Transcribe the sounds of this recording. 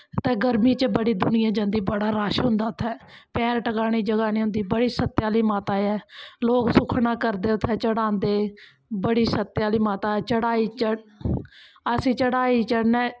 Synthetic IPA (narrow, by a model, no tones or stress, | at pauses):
t̪ẽːɡəɾmĩːt͡ʃbəɽiːd̪ʊnɪjãːd͡ʒãnd̪iːbəɽaːɾaːʃɦʊ̃nd̪aːʊt̪ʰːɛːpɛːɾʈəkaːɳ̃iːd͡ʒəɡaːniːɦʊ̃nd̪iːbəɽiːsət̪ːjaːliːmaːt̪aːɛːloːksʊkʰnãːkəɾd̪eːʊt̪ʰːɛːt͡ʃəɽãːnd̪eː | bəɽiːsət̪ːjaːliːmaːt̪aːɛːt͡ʃəɽaːiːt͡ʃəɽ | əsĩːt͡ʃəɽaːiːt͡ʃəɽnɛː